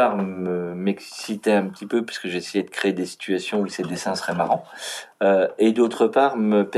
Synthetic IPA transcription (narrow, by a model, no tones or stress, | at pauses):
aʁməmɛksit̪ɛɛ̃pət̪ipøpɥi̥sə̥kəʒesejɛd̪əkχeed̪esi̥t̪yasjɔ̃used̪esɛ̃sə̥ʁɛmaʁɑ̃øed̪ot̪χəpaːʁməpɛ